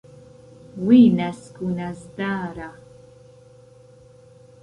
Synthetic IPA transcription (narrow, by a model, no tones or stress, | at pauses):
wiːnaskunazdaːɾa